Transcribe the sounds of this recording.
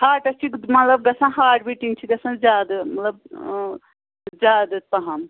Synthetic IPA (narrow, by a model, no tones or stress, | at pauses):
haːʈɐst͡ʃʰikmɐt̪lɐb̚ɡɐsãnɦaːʈbiʈiŋɡ̚t͡ʃʰiɡɐsãzaːd̪ɐmɐt̪lɐb̚ | zaːd̪ɐt̪̚pɐɦɐm